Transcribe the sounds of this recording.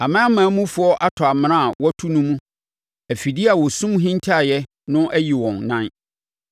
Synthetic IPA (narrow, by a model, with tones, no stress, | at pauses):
a˨mã˦a˦mã˨˦mũ˦fʊ˨˦ɔ˦ʔa˦tʰɔ˨a˨mɪ̃˨ɾã˦˨wɔ˦tʰu˦nũ˦mũ˦ | æ˨fi˨di˦a˨wɔ˨sũ˦m˦ɦĩ˦ntʰa˦˨jɛ˦ | nʊ̃˦ʔæ˦ji˨wɔ̃˨nːã˦n